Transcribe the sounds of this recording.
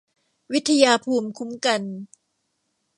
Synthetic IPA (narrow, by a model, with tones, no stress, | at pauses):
wi˦˥t̪ʰːa˧jaː˧pʰuː˧mkʰu˦˥mka˧n